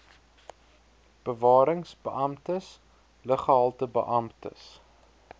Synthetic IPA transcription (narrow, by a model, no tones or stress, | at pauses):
b̥əvɑːɾəŋsbəʔɐmtəs | ləχəɦɐlˠtəbə̰ʔɐmtə̰s